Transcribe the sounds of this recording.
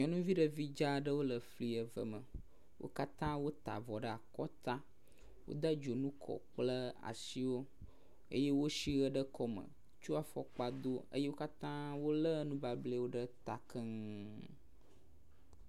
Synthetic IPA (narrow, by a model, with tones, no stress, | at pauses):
ɲɔ̃˨nũ˦vi˦ɖə˦vi˦d͡ʒa˦ɖə˦wo˦lə˨fli˨ə˨və̰˨mə˨ | wʔo̰˦ka˦t̪ã˦wo˦t̪a̰˨vɔ˨ɖə˦a˨kɔ˦t̪a˦ | wo̰˦d̪ə˦d͡ʒo˨nũ˦kʰɔ̰˨k͡plə˦a̰˨si˦wo˦ | ə̰˦je˦wo˦ʃi˦ɣə˦ɖə˦kʰɔ˦mə̰̃˨ | t͡ʃu˦a˨fɔ˨k͡pa˨d̪o˦ə̰˦je˦wo˦ka˦t̪ã˦wo˦lə˦nũ˦ba˨ble˦wo˦ɖə˦t̪a˨kə˦ŋ˨